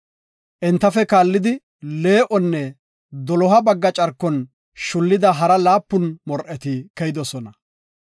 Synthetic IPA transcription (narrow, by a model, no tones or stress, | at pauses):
ʔɛnt̪ːɐfɛkaːlːɪd̪ɪ | le̞ːʔɔnːɛ | d̪ɔlɔɦɐbɐɡːɐt͡ʃʼɐɾkːɔn | ʃʊlːɪd̪ɐɦɐɾɐlaːpːʊnmɔɾʔɛt̪ɪkɛjɪd̪ɔsɔnɐ